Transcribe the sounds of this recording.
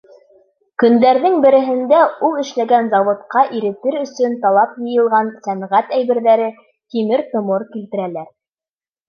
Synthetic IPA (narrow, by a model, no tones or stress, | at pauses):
kɵ̆nd̪æɾðɘŋbɘ̆ɾɘ̆ɦɘ̆nd̪æulˠɘ̆ʃlæɡænzɑwŏt̪qɑʔiɾɘ̆t̪ɘɾɵ̆sɵnt̪ɑlˠɑpjɤ̆jɤ̆lˠʁɑnsæmʁæt̪æjβɘ̆ɾðæɾɘ | t̪imɘɾt̪ŏmoɾkilt̪ɘ̆ɾælæɾ